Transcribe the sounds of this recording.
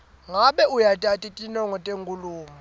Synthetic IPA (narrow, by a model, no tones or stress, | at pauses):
ŋaɓɛujatʼatʼitʼinɔŋɔtʼeŋkʼuluːmu